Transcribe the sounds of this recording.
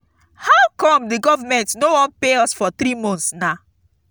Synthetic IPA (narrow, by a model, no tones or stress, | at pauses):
hawkɔ̃mdiɡɔvamɛ̃ntnowɔ̃npeɔsfɔθɾimɔ̃nθsna